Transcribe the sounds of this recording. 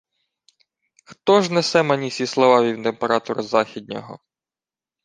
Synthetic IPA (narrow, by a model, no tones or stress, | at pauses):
xt̪ɔʒnɛsɛmɐnʲisʲislˠɔʋɑʋʲiwt̪empeɾɑt̪ɔɾʊzɑxʲid̪̚ʲnʲɔ̰ɦɔ̰